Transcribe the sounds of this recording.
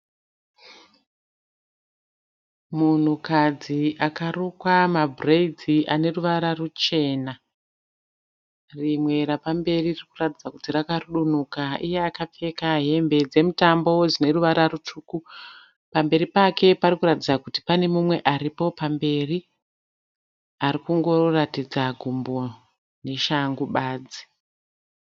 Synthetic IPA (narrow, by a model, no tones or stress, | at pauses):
mun̤ukad͡ziʔakarukwamabʱreid͡ziʔane̞ruʋaɾarut͡ʃe̞ːna | rimwe̞ɾapambe̞riririkuratid͡zaku̥tirakaruɗun̤ukaʔije̞akap͡fe̞kaɦe̞mbe̞d͡ze̞mutambo̞d͡zine̞ruʋaɾarutuːku | pambe̞ɾipakʰe̞parikuratid͡zakuti̥pane̞mumwe̞ʔaɾipo̞pambe̞ri | arikuŋɡo̞ratid͡zaɡʱumbo̞ | ne̞ʃaŋɡuɓaːd͡zi̥